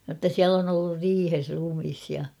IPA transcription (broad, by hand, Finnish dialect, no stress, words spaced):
notːɑ siæl on olːur riːhes rumis jɑ